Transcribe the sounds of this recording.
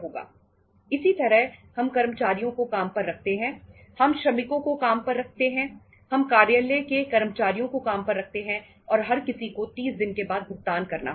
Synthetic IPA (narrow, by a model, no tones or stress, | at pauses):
ɦoːɡa̰ː | ɪsit̪ɐɾəɦhɐmkɐɾmət͡ʃaːɾijõkokaːmpɐɾːɐk̚ʰt̪eɦɛ̃ | hɐmʃɾɐmɪkõkokaːmpɐɾːɐk̚ʰt̪eɦɛ̃ | hɐmkaːɾjəlekekɐɾmət͡ʃaːɾijõkokaːmpɐɾːɐk̚ʰt̪eɦɛ̃ | ɔːɾɦɐɾkɪsikot̪iːsd̪ɪnkebaːd̪̚bʱʊɡ̚t̪aːnkɐɾna̰